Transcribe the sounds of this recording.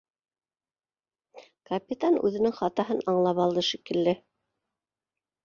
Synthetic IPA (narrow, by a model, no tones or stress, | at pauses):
kɐpʲit̪anʉ̰ðɘ̆nɘŋχɑt̪ɑɦɤnɑɴlˠɑpɑlˠd̪ɤʃikɘ̆lːɘ